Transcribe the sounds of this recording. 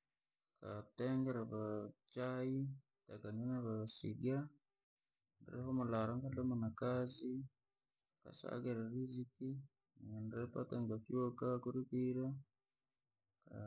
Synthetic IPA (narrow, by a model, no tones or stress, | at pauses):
kateŋɡeɾaβat͡ʃaji | takaɲanaβasḭɡa | ndɾehomulaɾaŋkalamunakazi | ka̰sa̰ɡeɾaɾiziki | anɾepateŋɡafjokakuɾikiɾa | ka